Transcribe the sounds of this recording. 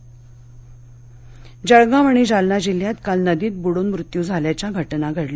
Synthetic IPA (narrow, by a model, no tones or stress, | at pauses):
d͡ʑəɭɡaʋaɳ̃id͡ʑalnad͡ʑil̤jat̪kalnəd̪iːt̪̚buɽonmɾut̪juːd͡zʱaljat͡ɕjaɡʱəʈnaɡʱəɽle